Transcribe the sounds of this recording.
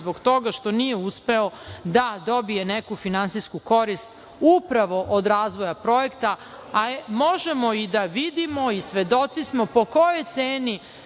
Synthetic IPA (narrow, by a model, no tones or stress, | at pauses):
boɡt̪o̞ɡaʃt̪o̞nije̞uspe̞od̪ad̪o̞bije̞nekufinansiskuko̞ɾist̪ | upɾaʋo̞ʔod̪ɾaːzʋo̞japɾo̞je̞kt̪a | amo̞ʒemo̞id̪aʋid̪imo̞isʋe̞d̪o̞t̪sismo̞po̞ko̞jojt̪seːni